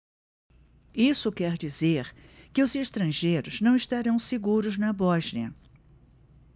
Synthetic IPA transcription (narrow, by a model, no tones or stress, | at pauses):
isʊkɛɾd͡ʒizeɾkɪʊzeʃt̪ɾɐ̃ʒejɾʊznɐ̃w̃iʃt̪aɾɐ̃w̃seɡuɾʊznɐbɔʒniɐ̰